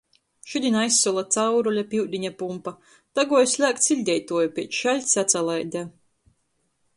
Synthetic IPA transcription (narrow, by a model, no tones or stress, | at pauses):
ʃud̪ʲinajsːulˠat̪sawɾɔlʲapʲiwd̪ʲiɲapumpa | t̪aɡuɔjsʲlʲæːk̚t̪silʲd̪ʲɛjt̪uɔjupʲiɛt͡ʃʃalʲsat̪salˠajd̪aː